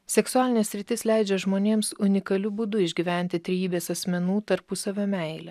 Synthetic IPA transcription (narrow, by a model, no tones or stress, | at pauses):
sʲɛksʊæːlʲɪnʲeːsʲɾʲɪt̪ʲɪslʲɛˑɪd͡ʒʲɛʒmoːnʲeːmsʊnʲɪkɐlʲʊbʊd̪ʊɪʒʲɡʲiːʋʲæˑnʲt̪ʲɪt̪ʲɾʲɛjiːbʲeːsɐsʲmʲɛnuːt̪ɐɾpʊsɐʋʲomʲɛɪlʲɛ